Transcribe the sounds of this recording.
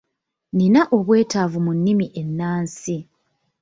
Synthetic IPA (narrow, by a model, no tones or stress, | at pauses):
ninaʔo̞βwe̞ːtavumunːimiʔe̞nːaːnsi